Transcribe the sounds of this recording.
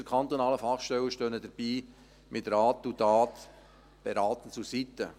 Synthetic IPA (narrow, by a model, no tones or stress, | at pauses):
əɾkʰɑnt̪onɑːləfɑχʃtɛwəʃtøːnədəɾb̥iː | mɪtɾaːt̪udaːt̪ | b̥eɾɑːt̪ən̩t͡susit̪ːə